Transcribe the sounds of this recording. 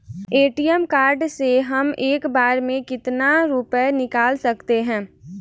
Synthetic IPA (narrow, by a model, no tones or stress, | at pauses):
eːʈijəmkaːɾɖseɦɐmeːkbaːɾmẽkɪt̪naɾupənɪkaːlsəkt̪eɦɛ̃ː